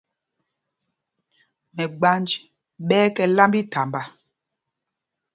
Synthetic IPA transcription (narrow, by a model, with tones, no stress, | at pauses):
mɛ˨ɡ͡ba˦nd͡ʒ | ɓɛː˦kɛ˨la˦mbi˦ta˨mba˦